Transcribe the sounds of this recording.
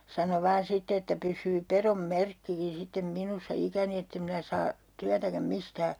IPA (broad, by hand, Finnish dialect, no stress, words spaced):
sɑno ʋɑːn sitːe etːæ pysˑyː perom merkːikin sitːem minusːɑ ikæni etːem minæ sɑː tyætækæm mistæː